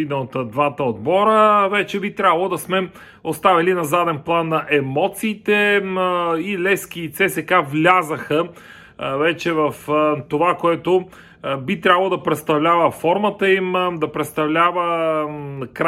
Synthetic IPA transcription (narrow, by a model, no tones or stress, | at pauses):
inəot̪d̪vat̪əod̪bɔɾəvɛt͡ʃɛbit̪ɾʲabəlˠod̪ɐsmɛ | ost̪avɛlinɐzad̪ɛnplˠanːɐʔɛmɔt̪siːt̪ɛ | ilɛsk̟it̪sɛsɛkavlʲazəxə | vɛt͡ʃɛvɐft̪ovakoɛt̪o | bit̪ɾʲabɐlˠod̪ɐpɾɛt̪st̪ɐvlʲavəfɔɾmət̪əimd̪ɐpɾɛt̪st̪ɐvlʲavə | kɾ